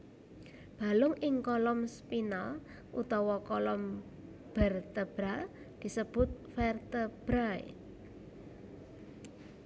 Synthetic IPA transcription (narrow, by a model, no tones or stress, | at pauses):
b̥a̤lʊŋɪŋkɔlɔmspinal | ʔṵt̪ɔwɔkɔlɔm | b̥ərt̪əb̥ɾa | d̪̥i̤səb̥ʊ̤t̪̚fɛrt̪əb̥ɾaj̰